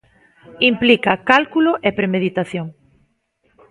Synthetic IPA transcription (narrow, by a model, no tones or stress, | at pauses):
implikakalkuloʔepɾemeðit̪aθjoŋ